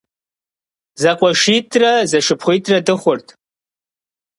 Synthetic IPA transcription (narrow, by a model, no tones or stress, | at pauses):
zakʷʼaʂitʰʼrazɐʂɨpʰχʷʊjtʼradɨχʷʊrtʰʼ